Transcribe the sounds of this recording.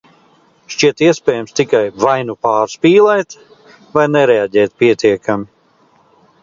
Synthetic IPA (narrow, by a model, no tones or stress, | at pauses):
ʃt͡ʃiɛt̪iɛspʲɛːjamst̪ikajvajnupaːɾspiːlˠɛːt̪ | vajnɛɾɛaɟʲɛːt̪̚piɛt̪iɛkami